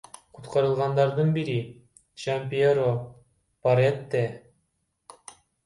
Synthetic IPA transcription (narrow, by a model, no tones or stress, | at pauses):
qʰut̪qɑɾɯlˠʁɑnd̪ɑɾd̪ɯnbiɾi | t͡ʃampʲioɾo | paɾet̪ːe